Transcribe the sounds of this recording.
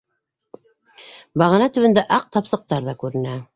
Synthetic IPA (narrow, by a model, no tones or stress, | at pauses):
bɑʁɑnɑt̪ɵ̆wɘ̆nd̪æʔɑq̚t̪ɑpsɤ̆q̚t̪ɑɾðɑkʉɾɘ̆næ